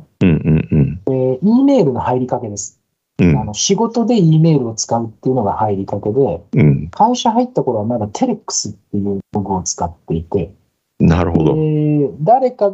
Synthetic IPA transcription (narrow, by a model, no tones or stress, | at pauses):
ɯ̟̃ɴɯ̟̃ɴeiːme̞ːɾɯ̟no̞haiɾʲikake̞d̪e̞sɨ̥ | ɯano̞ɕiɡo̞t̪o̞d̪e̞iːme̞ːɾɯ̟o̞t͡sɨ̥kaɯ̟t̪ːejɯ̟no̞ɡahaiɾʲikake̞d̪e̞kʰãɰ̃ɕaɦait̪ːako̞ɾo̞βamad̪at̪ʰe̞ɾekːɯ̥sɨt̪ːe̞jɯ̟ːoɡɯ̟o̞t͡sɨ̥kat̪ːe̞it̪e̞ | na̰ɾɯ̟ɦo̰d̪o̰d̪aɾe̞ka